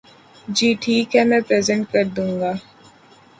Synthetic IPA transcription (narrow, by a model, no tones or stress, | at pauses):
d͡ʒiːʈʰiːkɦɛmɛ̃pɾɛːzɛ̃ɳʈ̚kəɾd̪ũːŋɡaː